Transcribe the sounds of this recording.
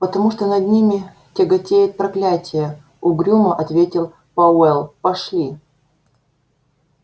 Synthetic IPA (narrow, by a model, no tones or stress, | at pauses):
pət̪ɐmuʂt̪onɐd̪ʲnʲimʲɪ | tʲɪɡɐtʲejɪt̪̚pɾɐklʲætʲɪjə | ʊɡɾʲuməʔɐt̪vʲetʲɪlˠ | pɐɛlˠpɐʂlʲi